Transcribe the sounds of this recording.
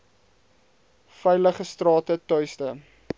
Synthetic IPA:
fɛjləχəstrɑːtətœɥstə

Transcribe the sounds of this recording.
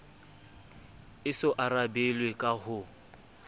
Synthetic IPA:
ɪsʊʔaɾabelwekʼahʊ

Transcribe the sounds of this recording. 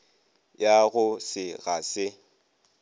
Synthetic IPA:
jaɣʊsɪɣasɪ

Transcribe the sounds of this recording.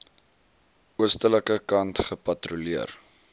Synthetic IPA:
uəstələkəkɐntχəpɐtruliər

